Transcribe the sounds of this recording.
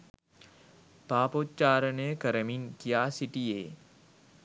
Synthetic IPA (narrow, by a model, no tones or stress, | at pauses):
paːpoːtt͡ʃaːɾnekɐɾəminkijaːsiʈieː